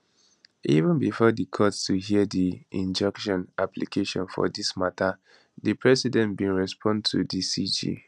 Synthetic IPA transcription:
ivə̃nbifɔdikʰɔtstuɦiədiĩnd͡ʒɛkʃɔ̃nʔaplikʰeʃɔ̃nfɔ̰dismatʰə | dipʰɹɛsidɛ̃ntbĩnɹɛspʰɔ̃ndtʰudisid͡ʒḭ

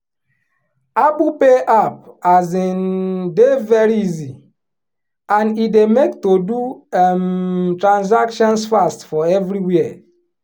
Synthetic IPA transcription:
abupeʔap̚azendevɛɾiizi | ãnidemektodumtɾãns̬akʃɔ̃nsfastfɔɛvɾiwiɛ

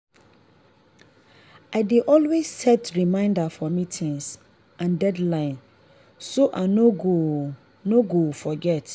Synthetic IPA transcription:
adeʔɔlwesːɛtɹimãɪ̃ndafɔmitʰĩŋs | ʔãndɛdlãɪ̃n | soʔanoɡo | noɡofɔɡɛt

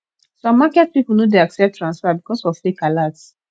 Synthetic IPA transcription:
sɔ̃mːakɛt̚pipl̩nodeaksɛp̚tʰːɹãnsfabikɔsɔflekalats

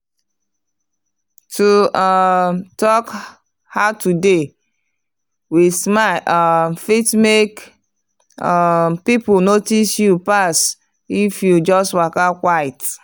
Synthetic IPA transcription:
tu | tɔk | haʊtude | wismaʔfitmek | pipʊnotisjupas | ifjud͡ʒɔstwakakʷaɪt

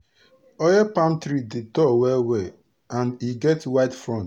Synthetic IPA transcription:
ɔjɛpãmtɾidedɔwɛwe | ãniɡɛtwaɪtfɹɔ̃nt

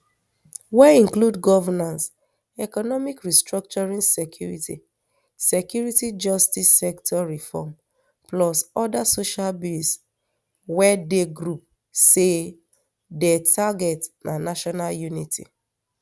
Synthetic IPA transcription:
wɛĩŋkludɡɔvɛnãns | ɛkɔnɔmikɹistɹɔk̚t͡ʃɔɹĩnsɛkʰjuɹitḭ | sekjuɹitid͡ʒɔstisɛktʰɔɹifɔ̰m | plɔsɔdasoʃalbils | wɛdeɡɹup̚ | se | dɛtʰaɡɛtnʔanaʃɔnaljunitḭ

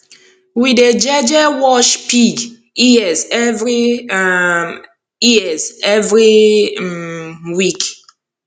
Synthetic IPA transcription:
wided͡ʒɛd͡ʒɛwɔʃpiɡ | iɛzɛvɹi | iɛzɛvɹi | wik

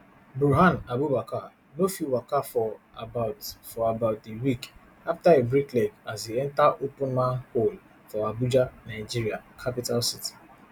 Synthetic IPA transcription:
buɦanabubaka | nofiwakafɔ | abaʊtfɔabaʊtdewik | aftaebɾiklɛkaziɛntaʔopʊ̃nmahol | fɔabud͡ʒanaɪd͡ʒiɾiakʰapitalsiti̥

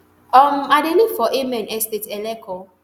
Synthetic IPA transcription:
ɔmadenifɔʔemɛnɛstetɛlɛkʰɔ

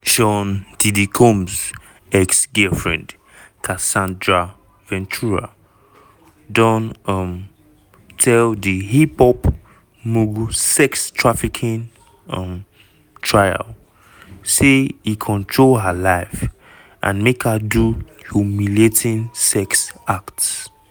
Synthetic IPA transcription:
ʃɔ̃ndidikʰɔ̃mz | ɛksɡɛfɹɛ̰̃nd | kʰasãndɹa | vɛ̃ntʰuɹa̰ | dɔ̃nɔm | tʰɛldiɦipɔp | muɡsɛkstʰɹafikʰĩn | ɔ̃m | tʰɹaɪa̰l | seikʰɔ̃ntʰɹolɦalaɪf | ʔã̰nmekhadu | humilietʰĩnsɛksakts

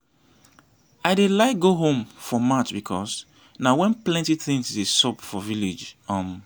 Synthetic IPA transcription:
aɪdelaɪk̚ɡoɦõmfɔmatbikʰɔs | nawɛ̃nplɛ̃ntiθɪ̃ŋsdesɔpfɔvilid͡ʒɔ̃m

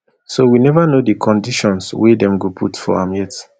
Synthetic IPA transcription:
sowinɛvanodikʰɔ̃ndiʃɔ̃nswedɛ̃mɡopʰṵtfɔ̰ãmjɛt

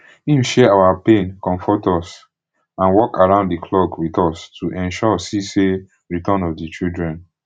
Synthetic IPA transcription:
ĩmʃɛawapẽnkɔ̃ɱfɔtɔs | ãnwɔkʰaɹãʊ̃nddikʰlɔɡwitɔstʰuʔɛ̃nʃɔsise | ɹitɔ̃nɔvdit͡ʃildɹɛ̃n

